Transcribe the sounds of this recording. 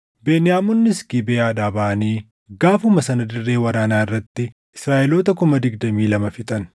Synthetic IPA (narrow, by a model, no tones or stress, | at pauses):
beːnɪjaːmʊnːɪskibeːaːᶑaːbɐʔɐniː | ɡaːfʊmɐsɐnɐd̪ɪrːe̞ːwɐɾaːnaːɪrːɐt̪ːɪ | ɪsɾaːʔɛloːt̪ɐkʊmɐd̪ɪɡd̪ɐmiːlɐmɐfɪt̪ʼɐn